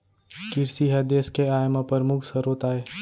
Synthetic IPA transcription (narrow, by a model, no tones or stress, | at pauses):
kɪɾsiɦəd̪eːskeaːjmapəɾmukʰsəɾoːt̪aːe